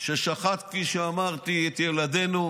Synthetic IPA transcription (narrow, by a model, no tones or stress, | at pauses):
ʃeʃaχat̪kfiʃeamaʁt̪iet̪jelad̪enu